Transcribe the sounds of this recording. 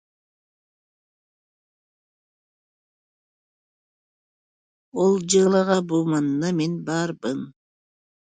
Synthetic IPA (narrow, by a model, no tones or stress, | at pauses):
olˠd͡ʒɑlˠɑʁɑbumɑnɯnɑmenbɑɾbɯn